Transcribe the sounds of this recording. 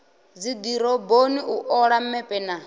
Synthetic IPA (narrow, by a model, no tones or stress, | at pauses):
d͡zid̪iɾɔboniʔuʔɔɺam̩mɛpʼɛna